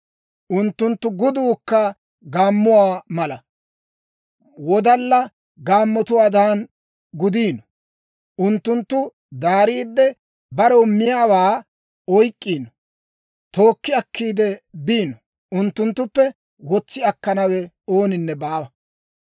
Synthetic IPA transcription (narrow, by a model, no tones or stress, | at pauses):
ʔʊnt̪ːʊnt̪ːʊɡʊd̪uːkːɐ | ɡaːmːʊwaːmɐlɐ | wɔd̪ɐlːɐ | ɡaːmːɔt̪ʊwaːd̪aːn | ɡʊd̪iːnɔ̥ | ʔʊnt̪ːʊnt̪ːʊ | d̪aːɾiːd̪ːɛ | bɐɾɔmːɪjaːwaː | ɔjkʼːiːnɔ | t̪o̞ːkːɪɐkːiːd̪ɛbiːnɔ | ʊnt̪ːʊnt̪ːʊpːɛ | wɔt͡sːɪɐkːɐnɐwɛ | oːnɪnːɛbaːwɐ